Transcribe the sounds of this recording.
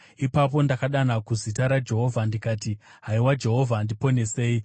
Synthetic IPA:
ipapo̞ndakaɗanakuzitaɾad͡ʒe̞ɦo̞vʱandikaːti | ɦaiwad͡ʒe̞ɦo̞vʱandipo̞ne̞se̞ːi

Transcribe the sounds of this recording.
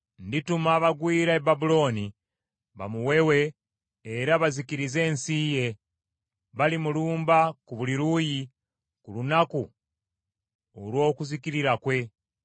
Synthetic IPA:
nditumaβaɡwiːɾaebabulo̞ni | βa̰muwe̞we̞ː | ɾaβazikiɾize̞ːnsiːje̞ | βalimuluːmbakuβuliɾuji | kulunaku | o̰lwo̞ːkuzikiɾiɾakwe̞

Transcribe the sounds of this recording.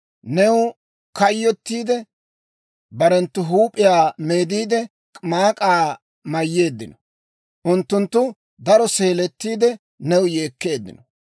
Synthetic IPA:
nɛwʊ | kɐjːɔt̪ːiːd̪ɛ | bɐɾɛnt̪ːʊɦuːpʼːɪjaːme̞ːd̪iːd̪ɛ | kʼmaːkʼaː | mɐjːe̞ːd̪ːɪnɔ̥ | ʔʊnt̪ːʊnt̪ːʊ | d̪ɐɾɔse̞ːlɛt̪ːiːd̪ɛ | nɛwʊje̞ːkːe̞ːd̪ːɪ̰nɔ

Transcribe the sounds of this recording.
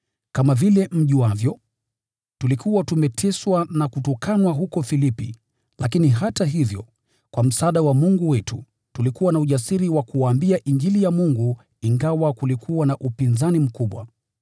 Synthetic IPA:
kamavilɛm̩ʄiwavjɔ | tulikʰuwatumɛtʰɛswanakutɔkʰanwaɦukɔfilipḭ | lakiniɦataɦivjɔ̰ | kwam̩saaɗawamuŋɡuwɛtu | tulikuwanauʄasiɾiwakuwaːmbiaʔiɲd͡ʒilijamuŋɡu | iŋɡawakulikʰuwanaʔupinzanim̩kuɓwa̰

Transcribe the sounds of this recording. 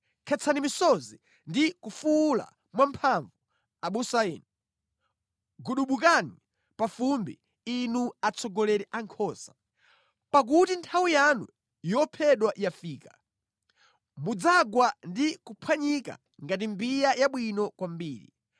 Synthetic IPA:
kʰɛt͡sʰanimisɔzi | ndikufula̰ | mwampʰaɱvu | aɓusaɛːnu | ɡuɗuɓukani | pafumbi | inuat͡sʰɔɡɔlɛɾɛʔaŋkʰɔsḁ | pak̬utintʰawijanṵ | jɔpʰɛɗwaʔjafiːka | mud͡zaɡwandikupʰwaɲika̰ | ŋɡat̬imbijajaɓwinɔkwambiːɾḭ

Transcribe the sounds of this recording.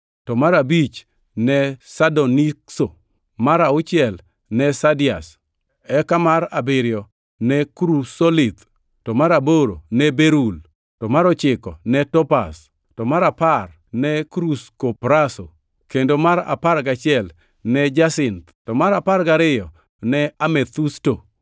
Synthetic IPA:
tɔmaɾabit͡ʃ | nɛsadonikso | maɾaʊt͡ʃɪɛl | nɛsadɪas | ɛkamaɾabɪɾjɔ | nɛkɾusolɪt̪ | tɔmaɾaboɾo̰nɛbeɾul | tɔmaɾɔt͡ʃɪkɔnɛtɔpa̰s | tɔmaɾapar | nɛkɾuskopɾaso̰ | kendomaɾa̰paɾɡat͡ʃɪɛl | nɛd͡ʒasɪnt̪tɔmaɾaparɡaɾɪjɔ | nɛamɛt̪usto

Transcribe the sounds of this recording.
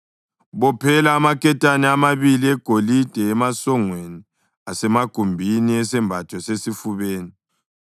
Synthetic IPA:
βɔpʰɛlaːmakʰʼɛtʼanɛamaβiliɛɡ̥ʱolid̥ʱɛːmasɔŋweni | asɛmaɡ̥ʱumbʱiniɛsɛmbʱatʰɔsesifuβeːni

